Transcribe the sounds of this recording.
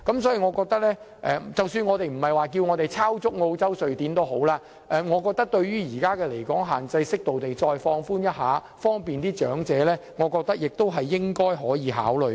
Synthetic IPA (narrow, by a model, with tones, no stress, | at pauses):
kɐ˨˥msɔː˨˦˥ji˨ŋɔː˨˧kɔː˧k̚t̪ɐ˥k̚lɛː˥ | ʔɛ˨˧t͡sɐ˨˩wsyː˧nŋɔː˨˧t̪e˨jm̩˨˩hɐ˨jwaː˨˩k̬iː˧wŋɔː˨˧t̪e˨˩jt͡sʰaː˥wt͡sʊ˥k̚ŋo˧wt͡sɐ˥wsɵ˨ɥt̪iː˨˥nt̪o˥wɦo˨˥wlaː˧ | ʔɛ˨˧ŋɔː˨˧kɔː˧k̚t̪ɐ˥k̚t̪ɵ˧ɥɥyː˥jiː˨˩kaː˥kɛː˧le˨˩jkɔː˨˥ŋɦaː˨˩nt͡sɐ˧jsɪ˥k̚t̪o˨wt̪e˨jt͡ʃɔː˧jfɔː˧ŋfuː˥njɐ˥t̚ɦaː˨˧ | fɔː˥ŋpiː˨nt̪iː˥t͡ʃœː˨˥ŋt͡sɛː˨˥lɛː˥ŋɔː˨˧kɔː˧k̚t̪ɐ˥k̚jɪ˨k̚t̪o˥wɦɐ˨jːɪ˥ŋkɔː˥jɦɔː˨˥jiː˨˧ɦa̰ː˨˥wlɵ˨˩